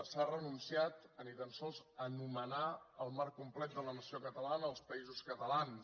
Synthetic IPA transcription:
sarənunsiat̪ənit̪ənsɔlˠzənumənaəlˠmarkːumplɛt̪̚d̪ələnəsiokət̪əlanəːlˠspəizuskət̪əlan

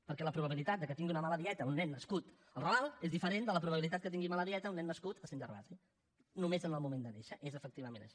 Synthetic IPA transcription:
pəɾkɛləpɾuβəβilit̪at̪̚d̪əkət̪iŋɡiunəmaləðiɛt̪əunːɛnːəskut̪ | əlˠrəβalˠezðifəɾend̪ələpɾuβəβilit̪at̪̚kət̪̬iŋɡimaləðiɛt̪əunːɛnːəskut̪əsend͡ʒərβa̰zi | numezənəlˠmumend̪əneʃəʔezəfək̚t̪iβəmẽnə̰ʃi̥

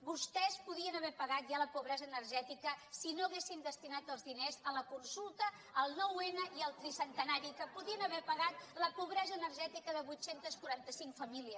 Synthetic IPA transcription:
bust̪ɛspuðiənəβɛpəɣat̪̚ʒaləpuβɾɛzəːnərʒɛt̪ikəsinoəɣ̞esind̪əst̪inat̪əlˠzðinezələkunsulˠt̪əː | lˠnɔwenəʔiəlˠt̪ɾisənt̪ənaɾikəpuðiənəβɛpəɣat̪̚ləpuβɾɛzəːnərʒɛt̪ikəðəβujt̪sent̪əskuɾant̪əsiŋkfəmiliəs

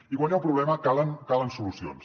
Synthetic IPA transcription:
iɣwaɲawˠpɾuβlɛməkalˠənkalˠənsulusio̰ns

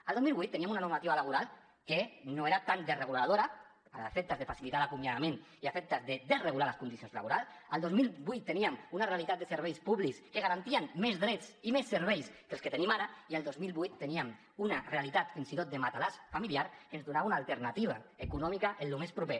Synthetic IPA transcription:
ald̪omilβujt̪ːeniamunanuɾmat̪iβalaβ̞uɾalˠ | kenoeɾat̪and̪ereɣulað̞oɾa | afek̚t̪azðefasilit̪alakumjaðameniafep̚t̪azðed̪ezreɣulaɾlaskund̪isionzla̰βuɾalˠsalˠd̪ozmilˠbujt̪ːeniamunarealit̪at̪̚d̪eseɾβ̞ɛjspuβlikskeɣaɾant̪ianmezðɾet͡simesːeɾβejskelsket̪enimaɾaialˠd̪ozmilˠβujt̪ːeniam | unarealit̪at̪finsit̪ot̪̚d̪emat̪alasfamiliaɾkenzðunaβaunaːlˠt̪eɾnat̪iβ̞aekunɔmikaʔenlumespɾupe

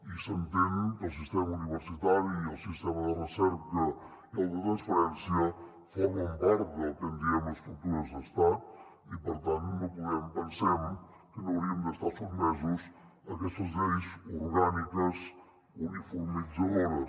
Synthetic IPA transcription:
isənt̪ɛmkəlˠs̬ist̪ɛməuniβəɾsit̪aɾiiəlˠsist̪ɛməðərəsɛɾkə | iəlˠd̪ət̪ɾənspəɾɛnsiə | fonumbɛɾðət̪ənd̪iəməskɾulˠt̪uɾəzd̪əst̪at̪ | ipəɾt̪ant̪nopuðɛmpənsɛmkənəwɾiəmd̪əst̪asuɾmɛzusəkɛst̪əzlejzuɾɣanikəz | unifuɾmizəðoɾə

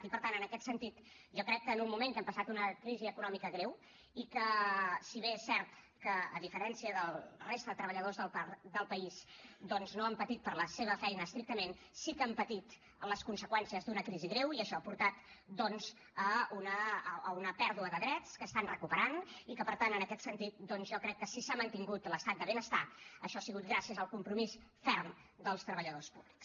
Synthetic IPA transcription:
t̪ipəɾt̪anənəkɛt̪sənt̪it̪ | ʒɔkɾɛkːəːnummumẽŋk̪ɛmpəsat̪unəkɾiziəkunɔmikəɣɾew | ikəsiβeɛsɛɾt̪ | kə̰ːðifəɾɛnsiəðəlˠrest̪əðət̪ɾəβəʎəðozðəlˠpad̪əlˠpəisd̪ɔnznoəmpət̪it̪̚pərləseβ̞əfɛjnəːst̪ɾik̚t̪əmen | sikəəmpət̪it̪ | ələskunsəkwɛnsiəzd̪unəkɾiziɣɾewiəʃɔapuɾt̪at̪d̪ɔnz | əunəəunəpɛɾðuəðəðɾɛt͡skəst̪anrəkupəɾanikəpəɾt̪anənəkɛt̪sənt̪it̪̚d̪ɔnzʒɔkɾɛkːəsisamənt̪iŋɡut̪ləst̪at̪̚d̪əβenəst̪aəʃɔasiɣut̪̚ɡɾasiəzəlˠkumpɾumisfɛrmd̪əlˠst̪ɾəβəʎəðospuβliks

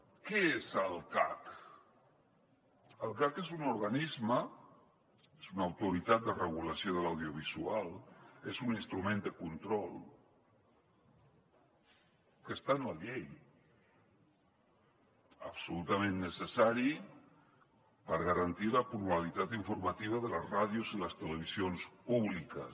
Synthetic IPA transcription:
keezəlˠkak | əlˠkakezunuɾɣanizmə | ezunawt̪uɾit̪at̪̚d̪ərəɣ̞ulasjoðəlawðjioβ̞izualezuninst̪ɾumẽnd̪əkunt̪ɾɔlˠ | kəst̪anaʎej | a̰psulut̪amẽnːəsesaɾi | pəɾɣaɾant̪ilapɾuβalit̪at̪iɱfuɾmat̪iβ̞aðəlazrað̞juziləst̪eleβ̞isjonspuβlikə̰

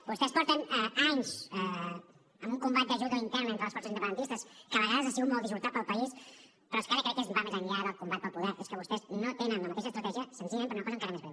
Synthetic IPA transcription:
bust̪ɛspɔɾt̪ənɛaɲzɛ | əmuŋkumbat̪̚d̪əʒuðəint̪ɛɾnəent̪ɾələskɔsəzindəpənd̪nt̪ist̪əskəβəɣaðəzasiɣumɔlˠd̪izβuɾt̪at̪̚pəlˠpəis | pɾɔskaɾəkɾɛekːezbamezəɲʎaðəlˠkumbat̪̚pəlˠpuðɛɾeskəβust̪ɛznot̪enənləmɐt̪eʃəst̪ɾt̪ɛʒiəsənsiʎmẽmp̪̬əɾunəkɔzəŋkaɾəmezβɾɛw

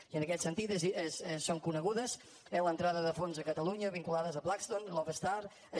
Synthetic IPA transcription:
iənəkɛt̪sənt̪it̪əzissːoŋkunəɣuðəz | elənt̪ɾaðəðəfonzəkət̪əluɲəβiŋkulaðəzəβlakst̪onlɔvəst̪aɾ | ə

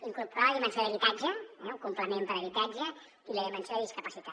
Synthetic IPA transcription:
iŋkurpuɾaðimənsoðəβit̪ad͡ʒəɛukumpləmempəɾəβit̪ad͡ʒə | iləðimənsoððiskəpəsit̪a

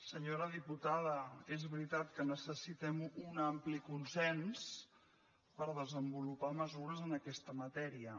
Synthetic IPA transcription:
səɲoɾəðiput̪aðəezβɾit̪at̪kənəsəsit̪ɛmunamplikunsɛns | pəɾðəzəmbulupaməzuɾəzənəkɛst̪əmət̪ɛɾiə

